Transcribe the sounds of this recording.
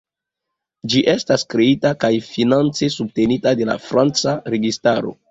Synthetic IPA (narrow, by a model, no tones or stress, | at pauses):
d͡ʒiʔe̞staskɾe̞itakajfinant͡se̞sub̚te̞nitade̞la̰fɾant͡saɾe̞ɡistaɾo̞̰